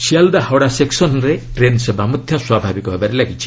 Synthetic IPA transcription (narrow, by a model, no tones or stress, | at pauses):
siald̪ahɔɽaseksɔnɔɾeʈɾensebamɔt̪ʰjɔswabʱabikɔɦebaɾelaɡit͡ʃʰi̥